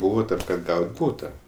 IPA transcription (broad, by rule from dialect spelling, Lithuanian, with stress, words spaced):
ˈbuːʋɐ ˈtɐm kɐt ˈɡɐʊtʲ ˈbuːtɐ